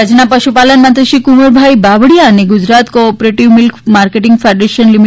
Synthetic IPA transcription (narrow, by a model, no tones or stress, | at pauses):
əd͡ʑnapəʃupalənmant̪əʃikumoɾbʱajbabɽijaneɡud͡ʑɾat̪kopɾeʈiʋmilkmaɾkeʈiŋɡfʰaɖɾeʃənlimi